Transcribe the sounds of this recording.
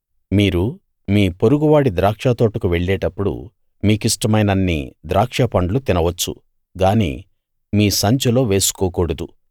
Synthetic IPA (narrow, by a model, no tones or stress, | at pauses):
miːɾu | miːpo̞ɾuɡuʋaːɽid̪ɾaːkʂat̪o̞ːʈɐkuʋe̞ɭːeːʈɐpːuɽṵ | miːkisʈɐmɐjnɐnːḭd̪ɾaːkʂɐpɐɳɖlut̪inɐʋɐt͡ʃːṵ | ɡaːnḭː | miːsɐɲt͡ʃɐlo̞ːʋe̞ːsu̥kɔːkuːɽɐd̪u